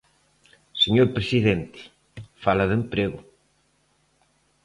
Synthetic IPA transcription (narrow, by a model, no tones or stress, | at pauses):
seɲoɾpɾesiðent̪e̥ | falɐðempɾeɣʊ